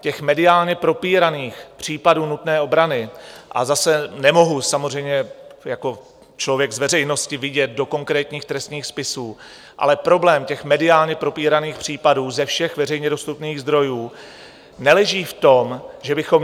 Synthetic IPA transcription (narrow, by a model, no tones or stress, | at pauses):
cɛxmɛdɪaːlɲɛpɾo̞piːɾaniːxpr̝̥iːpaduːnut̪nɛːʔo̞bɾanɪʔa̰zasɛnɛmo̞ɦusamorɛjmɲɛjako̞ | t͡ʃlo̞vjɛɡzvɛrɛjno̞scɪvɪɟɛt̪̚do̞ko̞ŋkɾɛːt̪ɲiːxt̪ɾɛst̪ɲiːxspɪsuː | ʔa̰lɛpɾo̞blɛːmcɛxmɛdɪaːlɲɛpɾo̞piːɾaniːxpr̝̥iːpaduːzɛfʃɛxvɛr̝ɛjɲɛdo̞st̪upniːɣzd̪ɾo̞juː | nɛlɛʒiːft̪o̞mʒɛbɪxo̞m